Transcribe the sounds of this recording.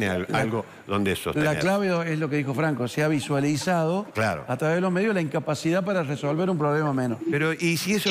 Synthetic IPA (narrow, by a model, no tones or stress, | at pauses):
neaalɣo | ðond̪eeso̰la̰klaβeoeslo̞keðixo̞fɾaŋkoseaβ̞iswalisað̞o̞kla̰ɾo̰at̪ɾaβeðeloɦme̞ðjolaiŋkapasiðapaɾareso̞lβeɾumpɾoβlemamẽnospeɾoʔisieso